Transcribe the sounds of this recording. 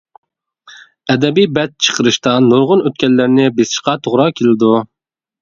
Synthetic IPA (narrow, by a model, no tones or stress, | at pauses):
ɛd̪ɛbijbɛt̪̚t͡ʃʰə̥qʰəɾɨʃt̪ɑnuɾʁʊnøt̪̚kʲɛlːɪɾnɪbesɪ̥ʃqɑt̪ʰoʁɾɑkʲʰelɪd̪u